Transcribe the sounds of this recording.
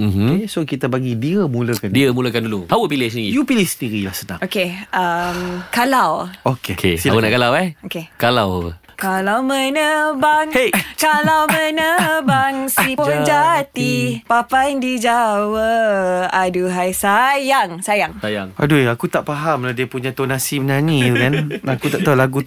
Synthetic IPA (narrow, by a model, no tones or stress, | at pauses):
m̩ɦesokit̪abaɡidiəmuləkandiəmuləkanduluhawəpilɪhsəndiijupilɪhsəndiɾilahsənã̰ŋʔokeʔəmkalawokekeawəna̰ʔkalawɛhokekalawaə̰ | kalawmənəbaŋhekalawmənəbaŋsipənd͡ʒat̪ipapajdid͡ʒawəaduɦajsajaŋsajaŋsajaŋpa̰duakut̪aʔpaɦamladiəpuɲãt̪onasimənaɲĩukanakut̪aʔt̪alaɡu